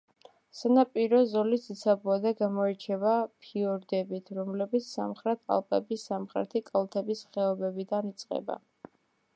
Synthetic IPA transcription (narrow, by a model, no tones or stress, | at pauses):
sanapʼiɾɔzɔlisit̪sʰabuad̪aɡamɔɛt͡ʃʰɛbapʰiɔɾd̪ɛbit̪ʰɾɔmlɛbit̪sʰsa̰mχɾɛt̪ʰa̰lˠpʼɛbisamχɾɛ̰t̪ʰikʼalˠt̪ʰɛbisχɛɔbɛbid̪anit̪sʼqʼɛ̰ba̰